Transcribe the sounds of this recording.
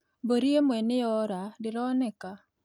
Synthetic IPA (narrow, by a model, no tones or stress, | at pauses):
boɾiemɛnɪjɔɾadɪɾɔnɛka